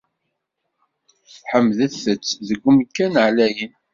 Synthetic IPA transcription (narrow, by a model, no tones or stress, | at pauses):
θħəmːðəθət͡sːðəɡʷːʊmkːænʕlæjən